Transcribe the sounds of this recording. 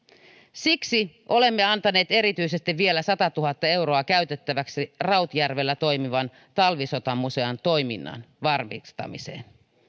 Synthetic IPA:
siksiʔo̞le̞mːe̞ɑnt̪ɑne̞ːt̪e̞ɾit̪yise̞st̪iʋʋie̞læsɑt̪ɑt̪uɦɑt̪ːɑe̞wɾo̞ɑkæyɥt̪et̪ːæʋæksirɑwt̪jærʋe̞lːæt̪o̞jmiʋɑn | t̪ɑlʋiso̞t̪ɑmːuse̞ɑnt̪o̞jmḭnːɑ̰nʋɑrmḭst̪ɑ̰mḭse̞̰ːn

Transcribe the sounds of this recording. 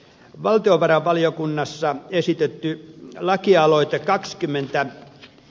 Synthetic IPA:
ʋɑlt̪ioʋɑrɑʋʋɑlijokunːɑsːɑesit̪et̪ːylɑkiɑloit̪ekɑkskymːent̪æ

